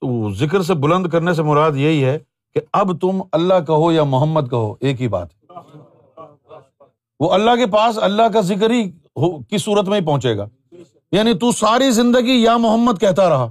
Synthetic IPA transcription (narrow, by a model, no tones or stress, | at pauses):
t̪ozɪkɾs̬ebʊlə̃nd̪kɐɾnes̬emʊɾaːd̪jɐɦiɦɛ | keɐbt̪ʊmɐlːaɦkɐɦojamʊɦəmːəd̪̚kɐɦo̰ːʔeːkɦiba̰ːt̪ɦɛ | ʋoːɐlːaɦkepaːsɐlːaɦk̬azɪk̬ɾɦi | ɦokisuːɾət̪mẽɦip̬ɐɦʊ̃t͡ʃeːɡaː | jaːnit̪usaːɾizɪ̃nd̪əɡijamʊɦəmːəd̪̚kɛɦt̪aɾɐɦaː